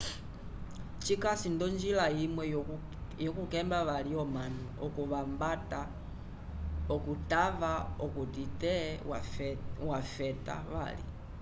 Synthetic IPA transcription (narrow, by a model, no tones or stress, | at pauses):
t͡ʃikasindɔnd͡ʒilaimwɛ | jɔkukɛmbaβaliɔmanuɔkuβambata | ɔkutavaɔkutitɛ | wafɛta̰βa̰lḭ